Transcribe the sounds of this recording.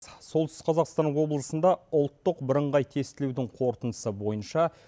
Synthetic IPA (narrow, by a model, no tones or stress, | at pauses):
so̞lˠt̪ʰʏsə̥qʰɑzɑqst̪ɑnəqwo̞blˠəsənd̪ɑʊlˠt̪ːəqbɪɾəɴʁɑjt̪ʰe̞st̪ɪlewd̪ɪɴqʰo̞ɾt̪ənd̪əsəbo̞jənʃɑ